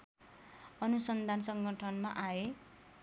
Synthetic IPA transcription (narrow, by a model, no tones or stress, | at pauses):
ʌnusʌnd̪ʱansʌŋɡʱʌʈʰʌnmaʔae